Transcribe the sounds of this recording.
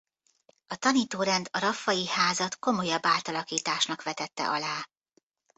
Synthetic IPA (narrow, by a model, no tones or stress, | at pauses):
ɒt̪ɒniːt̪oːɾɛnd̪ɒɾɒfːɒjihaːzɒt̪ko̞mo̞jɒbːaːlt̪ɒlɒkiːt̪aːʃnɒkʋɛt̪ɛt̪ːɛ̰ʔɒlaː